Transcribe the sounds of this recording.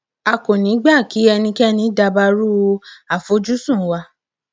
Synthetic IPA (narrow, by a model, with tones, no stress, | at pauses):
a˧ko˨nĩ˨˦ɡ͡ba˦˨ki˨˦ɛ˧nĩ˧kɛ˦nĩ˧˦da˧ba˧ɾu˦˧a˨fo˨˦d͡ʒu˦sũ˦˨wa˧